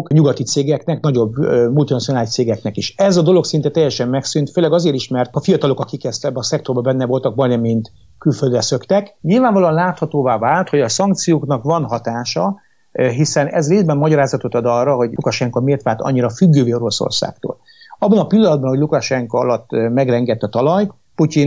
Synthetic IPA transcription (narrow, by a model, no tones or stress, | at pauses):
kɲuɡɒt̪it̪seːɡɛknɛknɒɟo̞bːømult̪inɒt̪sijonaːliʃt̪seːɡɛknɛkiʃɛzɒd̪o̞lo̞ksint̪ɛt̪ɛjːɛʃɛmːmɛksynt̪føːlːɛɡɒzeːɾiʃmɛrt̪ɒfijɒt̪ɒlo̞kɒkikɛst̪ɛbːɛːsɛkt̪o̞rbɒbɛnːɛvo̞lt̪ɒɡ̚bɒjnɛmint̪ | kylføld̪ɾɛsøkt̪ɛkɲilvaːɱvɒloɒnlaːt̪hɒt̪oːvaːvaːlt̪hoɟɒsɒŋk̚t̪sijoːknɒkʋɒnɦɒt̪aːʃɒ | ɦisɛnɛ̰zreːzbɛmːɒɟɒɾaːzɒt̪o̞t̪ɒd̪ɒrːɒɦo̞ɟukɒʃɛŋkɒmeːrt̪ʋaːlt̪ɒ̰ɲːiɾɒfyɡːøːveːo̞ɾo̞so̰rsa̰ːkt̪o̰ːl | ɒbːɒnɒpilːɒnɒd̪bɒnhoɟlukɒʃɛŋkɒɒlɒt̪ːmɛɡrɛŋɡɛt̪ːɒt̪ɒlɒj | pucin